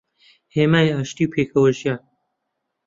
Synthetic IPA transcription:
heːmaːiaːʃt̪iːwpʰeːkʰɐwɐʒjaː

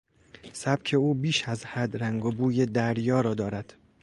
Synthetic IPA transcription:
sæb̥̚cʲʰe̞uːbiːʃæzhæd̪ɾæŋɡobuːje̞d̪æɾjɒːɾɒːd̪ɒːɾæd̪̥

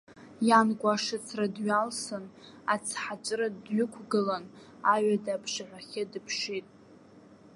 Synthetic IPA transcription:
janɡʷʼaʂɨt͡sʰradɥalsɨn | at͡sʰħat͡ʃʷʼɾadɥʊkʷʰɡɨlan | aɥadapʰʂaʕʷaχʲɪdɨpʰʂitʼ

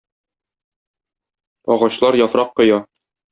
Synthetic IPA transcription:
ɒ̰ʁɑɕlˠɑɾjɒfɾɑqːŏjɑ

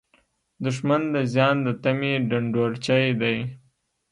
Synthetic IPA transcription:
d̪ʊʂmand̪əzjɑnd̪ət̪ameɖaɳɖoɾt͡ʃajd̪aj

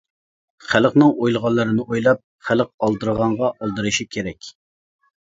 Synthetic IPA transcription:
χæləqnɨŋojlˠəʁɑnlˠːɨɾɨnɨʔojlˠɑp̚ | χæləq̚ɑlˠd̪ɨɾʁɑɴʁɑʔɑlˠd̪ɨɾɨʃikʲʰeɾɛkʲ

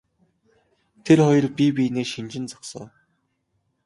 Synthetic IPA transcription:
t̪ʰerχɔjɞ̆rpipineːʃint͡ɕɪ̆nt͡sḁksɔː

